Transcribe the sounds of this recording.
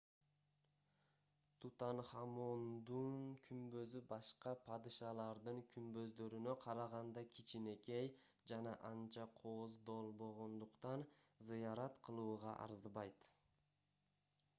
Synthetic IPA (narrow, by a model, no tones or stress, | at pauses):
t̪ʰut̪ɑnχɑmond̪unkʰymbø̞zybɑʃqɑpʰɑd̪iʃɑlˠɑɾd̪ɯŋkʰymbø̞zd̪ø̞ɾynøqʰɑɾɑʁɑnd̪ɑkʲʰit͡ʃine̞kej | d͡ʒɑnɑʔɑnt͡ʃɑqʰozd̪o̞lˠbo̞ʁo̞nd̪uqt̪ɑnzɯjɑɾɑt̪qʰɯlˠuːʁɑ̰ʔɑ̰ɾzβɑjt̪